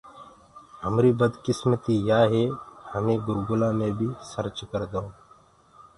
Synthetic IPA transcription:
ɦəmɾiːbəd̪kɪsmət̪iːjaːɦeːhəmẽːɡʊɾɡʊlãːmẽːbʱiːsəɾt͡ʃkəɾd̪õː

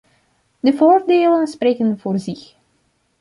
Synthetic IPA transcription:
dəvoːrdeːlənspreːkənvoːrzɪx

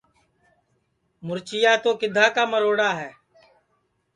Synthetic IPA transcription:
mʊɾt͡ʃɪjaːt̪oːkɪd̪ʱaːkaːməɾoːɽaːɦɛː

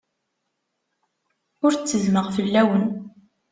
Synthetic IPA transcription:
ʊɾt͡sːəzməʁfəlːæwən

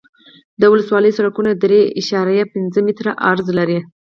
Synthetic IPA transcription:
d̪əwʊləswɑləjsaɾakunad̪ɾeʔɪʃɑɾajapɪnzəmɪt̪ɾaʔaɾzlaɾi

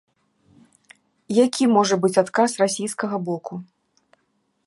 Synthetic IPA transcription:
jakʲimɔʐɐbɨt͡sʲat̪kasrasʲijskɐɣɐbɔkʰu

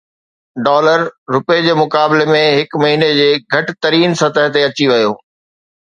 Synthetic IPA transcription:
ɖɔːləɾːʊped͡ʑeːmʊkaːbɪlemẽɦɪkmɐɦiːned͡ʑeːɡʱɐʈɪ̆t̪ɐɾiːnsɐt̪əɦt̪eɐt͡ɕiʋɐjoː

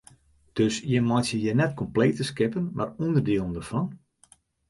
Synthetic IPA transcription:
d̥øsjəmɔtjəjənɛtkʰɔmpleːtəskɪpənma̰rundərdiəlˠəndərfɔn

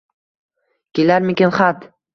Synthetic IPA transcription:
kʲelaɾmekʲenχat̪

